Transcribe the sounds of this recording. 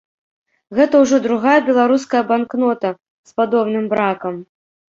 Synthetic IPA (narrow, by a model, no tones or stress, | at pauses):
ɣɛt̪ɐwʐɔd̪ɾuɣajɐbʲɛlˠaɾuskɐjɐbanknɔt̪ɐ | spad̪ɔbnɨmbɾakɐm